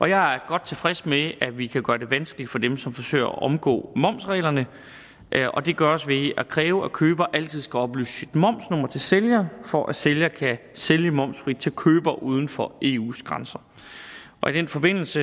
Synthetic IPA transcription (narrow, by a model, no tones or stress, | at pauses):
ʔɒ̽jɑ̈ɪæɐɡ̥ɒ̽d̥̚t͡sʰe̝fʁɛsmeæʋikʰæɡ̥ɶːɐd̥e̝ʋænsɡ̥əlid̥fɒ̽d̥emsɒ̽mfɒ̽sø̰ːɪɐɒ̰ʔɒ̽mɡ̥ɔ̰ːmɒ̽m̰sʁɛ̰ːlɐnə | ʔʔɒ̽d̥e̝ɡ̥ɶɐɒsʋe̝ækʰʁɛːʊəækʰøːb̥ɐʔæl̰t͡sʰið̞̰ˠsɡ̥æɒ̽b̥ly̰ːssid̥mɒ̽m̰snɔ̽m̰ɐt͡sʰe̝lseljɐfɒʔæseljɐkʰæseljəmɒ̽m̰sfʁid̥̚t͡sʰe̝lkʰøːb̥ɐʔuːð̞ˠn̩fɒ̽ʔe̝ːṵːsɡ̥ʁɑ̈nsɐ | ʔɒ̽id̥enfɒ̽b̥e̝n̰l̩sə